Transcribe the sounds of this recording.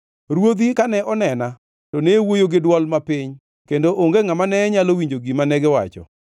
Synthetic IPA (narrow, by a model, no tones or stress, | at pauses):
ɾwod̪ikanɛʔɔnɛna | tonewojoɡɪdwɔlmapɪɲ | kendoʔoŋɡeŋamanɛɛɲalowiɲd͡ʒoɡimanɛɡɪwa̰t͡ʃɔ̰